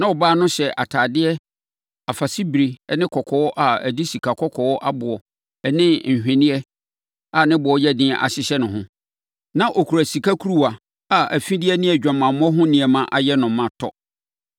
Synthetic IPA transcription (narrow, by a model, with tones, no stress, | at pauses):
nã˦ɔ˨baː˦nʊ̃˦ɕɛ˨ʔa̰˨tʰaː˨dɪ˦ɛ˦ | a˨fa˨si˦bɾi˨ɛ˦nɪ̃˦kʰɔ˨kʰɔ˨wɔ˦ʔa˨æ˨di˦si˨kʰa˨kʰɔ˦kʰɔ˨wɔ˦ʔa˦bʊ˨ɔ˨˦ | nɪ̃˦ɲ̩˨ɦᶣɛ̃˨nɪ̃˦ɛ˦ | a˨nɪ̃˦bʊ˨ɔ˦jɛ˦dɪ̃˦˨ʔa̰˨ɕɪ˦ɕɛ˦nʊ̃˨ɦʊ̃˦ | nã˦ʔɔ˨kʰu˨ɾæ˨si˨kʰa˦kʰu˦ɾu˦a˨ | a˨ʔæ˨fĩ˦dɪ˦ɛ˦nɪ̃˦ɛ˨d͡ʑᶣã˨mã˨mɔ̃˦ɦʊ̃˦nɪ̃˨ɛ˨mã˦ʔa˨jɛ˦nʊ̃˨mːã˨tʰɔ̰˦